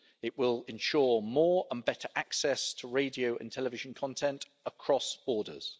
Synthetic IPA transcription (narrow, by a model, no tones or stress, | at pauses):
ɪʔwɪlɪ̃nʃɔːmɔːɹə̃nbɛtʰəɹʔaksɛstʰəɹeɪdiəʊʔə̰̃ntʰɛlɪvɪʒə̃nkʰɒ̃ntʰɛ̃nt | əkʰɹ̥ɒsb̥ɔːdə̰z̥